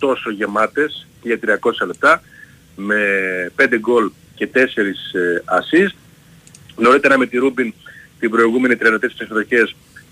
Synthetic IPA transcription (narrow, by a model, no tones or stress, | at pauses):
t̪o̞so̞ʝe̞mɐt̪e̞sceʝɐt̪ɾiɐko̞sɐle̞p̚t̪ɐ | me̞pe̞nd̪eɡo̞l | ce̞t̪e̞se̞ɾisɐsist̪ | ɣno̞ɾit̪e̞ɾɐme̞t̪iɾubint̪ibɾo̞iɣume̞nit̪ɾiɐlot̪essisðo̞çe̞s